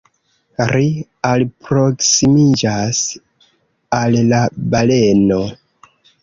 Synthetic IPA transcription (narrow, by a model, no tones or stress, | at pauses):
ɾi | alpɾo̞ksimid͡ʒas | allabale̞no̞